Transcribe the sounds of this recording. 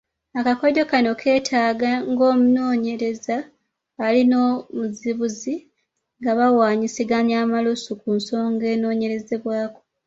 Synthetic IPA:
akakoɟo̞kano̞kʰe̞ːtʰaːɡaŋɡo̞ːmuno̞ːɲe̞ɾe̞zaː | lino̞ːmuziβuzi | ŋɡaβawaːɲisiɡaɲaːmalusukunso̞ːŋɡe̞ːno̞ːɲe̞ɾe̞ze̞βwaːko̞

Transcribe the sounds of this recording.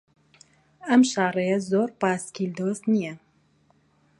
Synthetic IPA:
ɐmʃɑːrˤejɛzoːɾpɑːskʰild̪oːst̪nijɛ

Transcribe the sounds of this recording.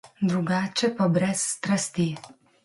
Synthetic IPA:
d̪ɾuɡaːt͡ʃɛpɔbɾɛsːt̪ɾast̪i

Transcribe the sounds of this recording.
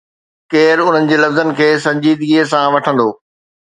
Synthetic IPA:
keːɾʊn̤ənɪ̆d͡ʑeːlɐfzənɪ̆kʰeːsɐ̃ɲd͡ʑiːd̪ɡies̬ãʋɐʈʰə̃nd̪oː

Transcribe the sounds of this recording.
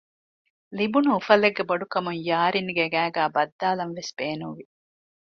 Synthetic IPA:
libunuːfɐleɡːeboɖukɐmuŋjaːɾinɡeɡæːɡæːbɐd̪ːaːlɐnʋesb̥eːnũʋi

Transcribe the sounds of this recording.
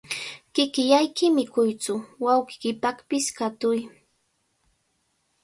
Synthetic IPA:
kɪkɪjajkɪmɪkʊjt͡sʊwawkɪ̥kɪpakpɪskat̪ʊj

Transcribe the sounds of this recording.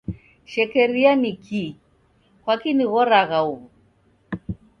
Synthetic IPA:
ʃɛkɛɾianikʰi | kwakiniɣɔɾaɣauɣu

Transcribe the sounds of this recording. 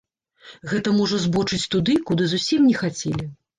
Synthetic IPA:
ɣɛt̪ɐmɔʐɐzbɔt͡ʂɨt͡sʲt̪ud̪ɨkud̪ɨzusʲimnʲɛxat͡sʲɛlʲi

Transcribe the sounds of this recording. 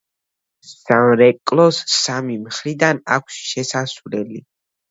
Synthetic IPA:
sanɾɛkʼlˠɔsːamimχɾid̪ana̰kʷʰsʃɛsasvlɛli

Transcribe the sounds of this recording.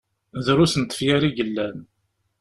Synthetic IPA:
ðɾusənt̪ə̥fjaɾiʝəlːæn

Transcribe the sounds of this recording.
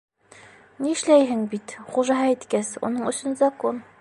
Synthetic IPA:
niɘ̆ʃlæjɦɘŋbit̪χuʒɑɦɑit̪kæsṵnɤɴɵ̆sɵnzɐkon

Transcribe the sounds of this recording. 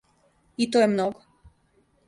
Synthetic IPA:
it̪ojemnoɡo

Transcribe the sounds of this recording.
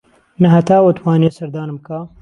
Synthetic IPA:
nɐɦɐt̪aːwot̪ʰwaːneːsɐɾd̪aːnɨmkʰaː

